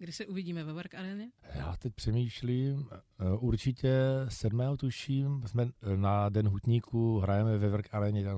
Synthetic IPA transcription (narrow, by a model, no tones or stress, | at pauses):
ɡdɪsɛʔuvɪɟiːmɛvɛvɾkʔaɾɛːɲɛja̰ːt̪ɛc̚pr̥ɛmiːʃliːmʔuɾt͡ʃɪcɛsɛdmɛːɦot̪uʃiːmsmɛnadɛnɦut̪ɲiːkʰuɦɾajɛmɛvɛvɾ̩kaɾɛːɲɛt̪aɡ